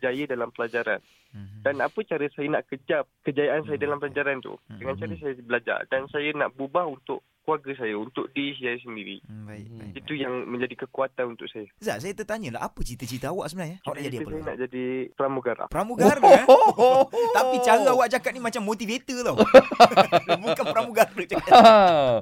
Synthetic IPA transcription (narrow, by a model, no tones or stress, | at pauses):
d͡ʒajədalampəlad͡ʒaɾa̰n | danapət͡ʃaɾəsajənaʔkəd͡ʒap̚kəd͡ʒajaʔansajədalampəlad͡ʒaɾant̪ṵdəŋant͡ʃaɾəsajəbəlad͡ʒa̰rdansajəna̰ʔbubahunt̪ʊʔ | kuaɡəs̬ajəunt̪ʊʔ̚dis̬iajəs̬əndiɾḭbaḭkit̪ujaŋmə̃ɲd͡ʒadikəkuat̪anunt̪ʊʔsajəza̰ʔsajət̪ət̪aɲəla̰ʔa̰pət͡ʃit̪ət͡ʃit̪əawaʔsəbənaɲəawaʔad͡ʒadiaəsajəna̰ʔd͡ʒadipəɾamuɡaɾla̰pəɾamũɡr | t̪apit͡ʃaɾəawaʔd͡ʒakat̪̚nimat͡ʃamːot̪ifet̪əlaw | bukanpəɾamuɡarəd͡ʒaa